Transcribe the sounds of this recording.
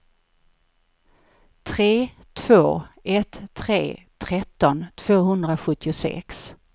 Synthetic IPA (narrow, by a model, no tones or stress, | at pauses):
t̪ʰɾeː | t̪ʰv̥oːɛt̪ʰːɾḛːt̪ʰɾɛt̪ːɔnt̪ʰv̥oːɦɵnd̪ɾaɧɵt̪ʰːɪʊsɛ̰ks